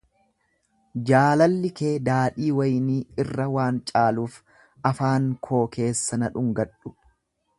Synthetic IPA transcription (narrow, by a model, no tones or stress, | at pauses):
d͡ʒaːlɐlːɪke̞ːd̪aːᶑiːwɐjniːɪrːɐwaːnt͡ʃʼaːluːf | ɐfaːŋkʰo̞ːke̞ːsːɐnɐᶑʊŋɡɐᶑːʊ̥